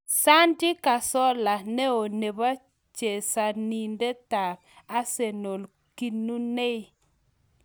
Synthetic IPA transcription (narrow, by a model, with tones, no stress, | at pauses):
sa˦ndɪ˦ka˨sɔ˦la˨nɛ˦o˨ne˨ba˦ | t͡ʃe˨sa˨ni˨nde˦ta˨ɾ | a˦se˨no˨l | ki˦nu˦ne˦i˦